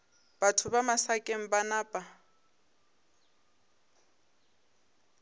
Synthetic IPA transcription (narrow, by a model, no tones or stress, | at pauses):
b̥atʰʊbamasakʼeŋ̩banaːpʼa